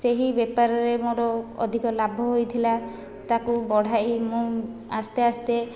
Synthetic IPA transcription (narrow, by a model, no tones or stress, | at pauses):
seɦibepaɾɔɾemoɾɔɔ̰d̪ʱikɔlabʱɔɦojt̪ʰila | t̪akubɔɽ̤aimũast̪east̪e